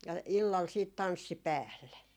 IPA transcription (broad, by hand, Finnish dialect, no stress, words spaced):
jɑ ilːɑl siːt tɑnsːi pæːlːe